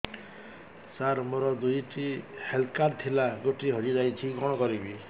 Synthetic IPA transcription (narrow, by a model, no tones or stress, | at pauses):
saɾmoɾɔd̪ujʈihelkaɾt̪ʰilaɡoʈiɦɔɾid͡ʒajt͡ʃʰiɡɔɽ̃ɔkɔɾibi